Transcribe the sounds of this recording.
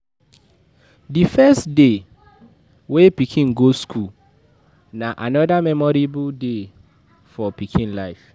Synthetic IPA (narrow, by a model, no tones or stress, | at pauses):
difɛstde | wepikʰĩnɡoskʰul | naʔanɔdamɛmɔɾibude | fɔpikʰĩnlaɪf